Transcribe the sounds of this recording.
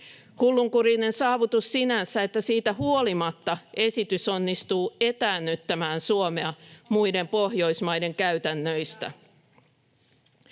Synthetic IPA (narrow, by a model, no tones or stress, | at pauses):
hulːuŋkurine̞nsɑːʋut̪usːinænsæe̞t̪ːæsiːt̪æhuo̞limɑt̪ːɑe̞sit̪yso̞nːist̪uːe̞t̪æːnːyt̪ːæmæːnsuome̞ɑmujde̞mpo̞hjo̞jsmɑjde̞ŋkæyt̪ænːø̞jst̪æ̰